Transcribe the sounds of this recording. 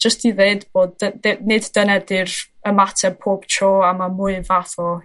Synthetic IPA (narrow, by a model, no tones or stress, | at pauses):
d͡ʒ̥əstiðeːdboːd̚əenɨddənɛdɨrəmatʰɛpʰoːb̥tʰroːamamʊɨvaθɔ